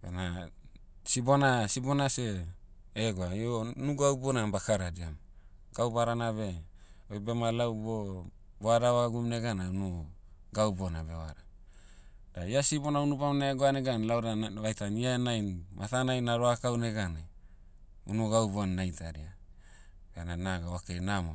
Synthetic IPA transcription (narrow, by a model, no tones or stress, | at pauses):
bḛna | sibonasibonase | eɡoaionuɡaubonabakaɾadiam | ɡ̥awbaɾanaβe̞ojbemalawbo | boadaβaɡumneɡanaunuɡawbonabewaɾa | daiasibonaunubamnaeɡoaneɡanlawɾaβajtaniaenajnma̰tanajnaɾoakawneɡane | unuɡawbonːajtaɾia | ɡananaɡawakejnamo